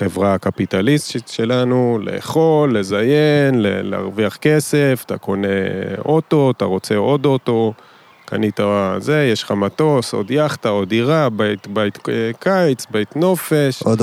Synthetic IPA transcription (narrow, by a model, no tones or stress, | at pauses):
χe̞vʁaakapit̪alistit̪ʃe̞lanule̞̰ːχo̞lːe̞zajenlḛlea̰ʁviaχke̞se̞ft̪a̰ko̞ne̞o̞t̪o̞t̪aʁo̞t͡se̞o̞d̪o̞t̪o̞ | ka̰nit̪aze̞jeʃχamat̪o̞so̞̰d̪jaχt̪ao̞d̪iʁabajt̪bajt̪kajt͡sbajt̪no̞fe̞ʃod